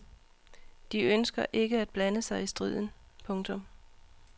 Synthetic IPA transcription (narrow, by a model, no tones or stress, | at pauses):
d̥iønsɡ̥ɐʔe̝ɡ̥əæd̥̚b̥lænəsɑ̈ɪisd̥ʁið̞̰ˠn̩ | pʰɔ̽ŋt͡sʰɔ̽m